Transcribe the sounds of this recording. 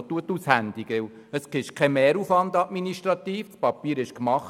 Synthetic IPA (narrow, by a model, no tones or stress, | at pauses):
t̪ːuət̪ːushænd̥̪iɡʋɪw | əskɪʃkʰɛmeːɾuːfʋɑnd̪ɑtminiʃtɾɑt̪iːft͡spɑpiːɾɪʃkmɑχ